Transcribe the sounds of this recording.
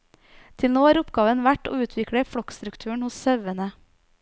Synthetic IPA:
t̪ʰɪlnoːæːɾʊpɡɑːʋənʋæʈo̰ːʉːt̪ʰʋɪkɽəfɽɔkst̪ɾʉkt̪ʰʉːəɳ̩hʊssœʋənə

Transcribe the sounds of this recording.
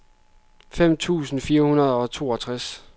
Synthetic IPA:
fem̰t͡sʰṵːsn̩fiːɐhunɐð̞̩ˠɒ̽t͡sʰo̝̰ːɒ̽t͡sʰʁas

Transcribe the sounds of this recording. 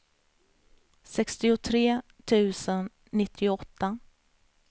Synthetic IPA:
sɛkst̪ɪʊt̪ʰɾeː | t̪ʰʉ̟ːsənː | ɪt̪ʰːɪʊɔt̪ːa

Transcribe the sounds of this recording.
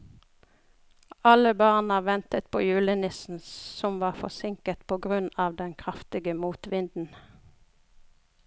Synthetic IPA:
ɑləbɑːʁnɑʋɛnt̪ət̪̚pʰo̰ːjʉːlənɪsn̩sɔmʋɑːfɔsɪŋkət̪pʰoːɡʁʉnɑːʋd̪ɛnkʰʁɑft̪ɪɡəmuːt̪ʋɪnd̪n̩

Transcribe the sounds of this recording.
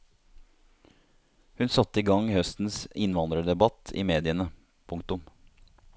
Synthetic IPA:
hʉnsɑt̪ːəiːɡɑŋhœst̪n̩sɪnʋɑnd̪ɾəɖ̪ɛbɑt̪ʰḭːmeːd̪ɪənə | pʰʊŋk̚t̪ʊm

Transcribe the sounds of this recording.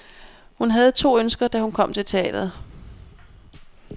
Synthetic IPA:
hunɦæð̞̩ˠt͡sʰo̝̰ːønsɡ̥ɐd̥æhunkʰɒ̽m̰t͡sʰe̝lt͡sʰe̝ɛ̰ːd̥ɐð̩ˠ

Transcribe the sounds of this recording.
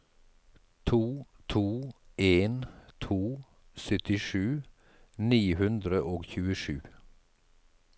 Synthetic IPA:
t̪ʰuː | t̪ʰuːeːnt̪ʰuː | sœt̪ɪʃʉː | niːhʉnd̪ɾəʔoːɡçʉːəʃʉː

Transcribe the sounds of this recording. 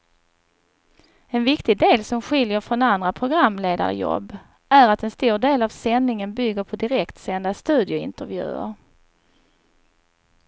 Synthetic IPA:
ɛnvɪkt̪ɪɡd̪eːlsɔmɧɪljəɾfɾɔnand̪ɾapʰɾʊɡɾamːleːd̪a̰ɾə̰jɔ̰bː | æɾat̪ɛnst̪uːɖeːlavsɛnːɪŋənbʏɡːəɾpʰɔd̪ɪɾɛkt̪sɛnd̪ast̪ʉ̟ːd̪ɪʊɪ̰nt̪əɾvjʉ̟̰ːə̰ɾ

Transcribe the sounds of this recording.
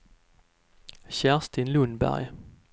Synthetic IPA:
ɕæʁst̪ɪnlɵnbæ̰ɾj

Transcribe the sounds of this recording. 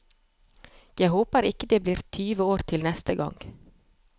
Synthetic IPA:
jæɪhoːpəɾɪkəd̪eːbliːɾt̪ʰyːʋəoːɾt̪ʰɪlnɛst̪əɡɑ̰ŋɡ̥

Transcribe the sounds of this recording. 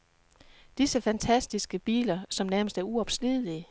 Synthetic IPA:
d̥isəfænt͡sʰæsd̥isɡ̥əb̥ḭːlɐsɒ̽mnæɐməsd̥æɐuɒ̽b̥sliðˠli

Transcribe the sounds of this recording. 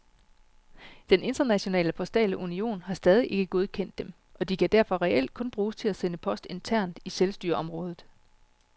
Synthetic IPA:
d̥ene̝nd̥ɐnæɕo̝nɛ̰ːləpʰɒ̽sd̥ɛ̰ːləʔunio̝̰ːnhɑ̈sd̥ɛːð̞ˠiʔe̝ɡ̥əɡ̥o̝ð̞ˠkʰen̰d̥ːem | ʔɒ̽d̥ikʰæd̥æɐ̰fɒ̽ʁɛʔel̰d̥̚kʰɔ̽nb̥ʁuːst͡sʰe̝læsenəpʰɒ̽sd̥e̝nt͡sʰæɐ̰nd̥iselsd̥yːɐʔɒ̽mʁɔ̽ːð̞ˠð̩ˠ

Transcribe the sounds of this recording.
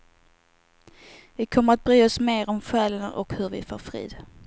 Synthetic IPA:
vɪkʰɔmːəɾat̪̚bɾyːɔsmeːɾɔmɧɛːlənʔɔ̰khɵɾvɪ̰fo̰ːɾfɾḭːd̪

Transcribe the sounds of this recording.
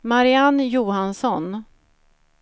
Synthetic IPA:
maɾɪanjuːhansɔn

